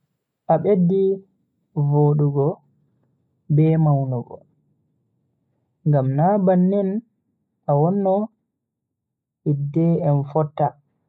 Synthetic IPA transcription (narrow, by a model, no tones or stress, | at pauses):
ʔaɓedːi | voːɗuɡɔ | bɛmawnɔɡɔ̰ | ŋɡamnabanːɛn | ʔawɔnːɔ | idːɛɛnfɔtːa